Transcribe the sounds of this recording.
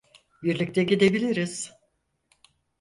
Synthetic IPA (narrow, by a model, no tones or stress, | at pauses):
biɾlʲic̚t̪ʰɛɟid̪e̞bilʲiɾiz̥